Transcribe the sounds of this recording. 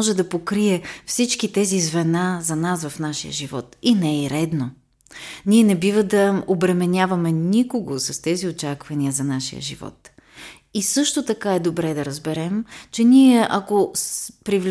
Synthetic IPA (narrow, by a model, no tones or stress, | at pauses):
ɔʒɛd̪ɐpokɾiɛfsit͡ʃkit̪ɛzizvɛnazɐnasvɐfnaʃijə̰ʒivɔt̪inɛiɾɛd̪no | nʲiɛnɛbivəd̪ɐobɾɛmɛnʲjavɐmɛnʲikoɡosɐst̪ɛziot͡ʃakvɐniəzɐnaʃḭjə̰ʒḭvɔ̰t̪ | isɤʃt̪ot̪ɐkaɛd̪obɾɛd̪ɐɾɐzbɛɾɛmt͡ʃɛniɛʔɐkospɾivl